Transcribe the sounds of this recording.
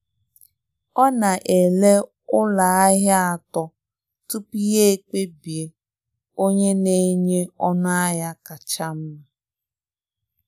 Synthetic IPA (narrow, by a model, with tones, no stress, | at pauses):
ɔ˦na˨ʔe˨le˦ | ʊ˦la˨a˦ɦja˦a˨tɔ˦ | tu˦pi˦je˦e˦˨k͡pe˦bi˨e˨ | o˦ɲe˦ne˦ɲe˦ɔ˦nʊ˦a˦ja˦ka˨t͡ʃa˦m̩˦m˨